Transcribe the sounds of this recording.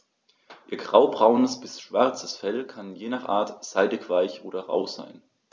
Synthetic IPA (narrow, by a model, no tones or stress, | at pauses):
ʔiːɐɡʁaʊbʁaʊnəsb̥ɪsʃv̥aɐt͡sə̥sfɛlkʰanjeːnaχʔa̰ːɐtz̥aɪdɪçv̥aɪçʔoːɾɐʁa̰ʊza̰ɪn